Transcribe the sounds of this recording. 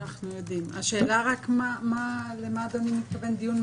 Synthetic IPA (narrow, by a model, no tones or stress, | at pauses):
aχnujo̞d̪imaʃe̞ːlaʁakmamalemad̪animit̪̚kave̞nd̪ijunm